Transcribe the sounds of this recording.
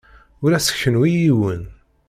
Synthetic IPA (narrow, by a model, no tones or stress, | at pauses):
ʊɾæsə̥ççənwijiwən